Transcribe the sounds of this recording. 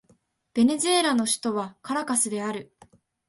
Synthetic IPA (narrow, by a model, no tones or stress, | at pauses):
b̥e̞ne̞zɨe̞ɾano̞ɕi̥t̪o̞βakaɾakasɨd̪e̞aɾɯ̟